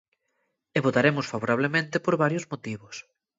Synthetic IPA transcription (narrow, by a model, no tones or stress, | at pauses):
eβot̪aɾemʊsfaβoɾaβ̞lemẽnt̪ɪpoɾβaɾjʊzmot̪iβʊs